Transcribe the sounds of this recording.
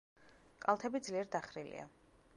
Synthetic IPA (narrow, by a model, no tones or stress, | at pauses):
kʼalˠt̪ʰɛbid̪zliɛɾd̪aχɾilḭa̰